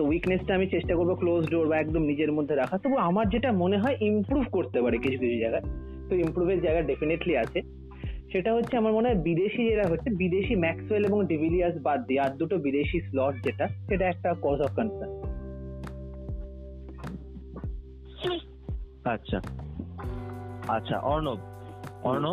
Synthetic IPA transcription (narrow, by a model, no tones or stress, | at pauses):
t̪owiknesʈaamit͡ɕeʃʈakoɾboklosɖoɾbaɛk̚d̪omnid͡ʑeɾmod̪ʱːeɾakʰat̪obuamaɾd͡ʑeʈamoneɦɔeʔimpɾubʱkoɾt̪epaɾekit͡ɕʰukit͡ɕʰud͡ʑaeɡae | t̪oimpɾubʱeɾd͡ʑaeɡaɖefineʈliat͡ɕʰe | ʃeʈaɦotːɕʰeamaɾmoneɦɔebid̪eʃid͡ʑeʈaɦotːʰebid̪eʃimɛkseleboŋɖibiliasbad̪ːiaɾd̪uʈobid̪eʃislɔʈ̚d͡ʑeʈaʃeʈaɛk̚ʈakɔsɔfkanʈa | atːɕʰa̰ | atːɕʰa̰ʔɔɾnob | ɔɾno